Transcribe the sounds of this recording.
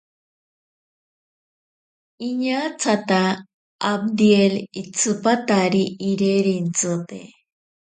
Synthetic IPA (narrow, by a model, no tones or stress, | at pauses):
iɲat͡sat̪a | ab̚d̪ielit͡sɨpat̪aɾiʔːɾeɾint͡sɨt̪ḛ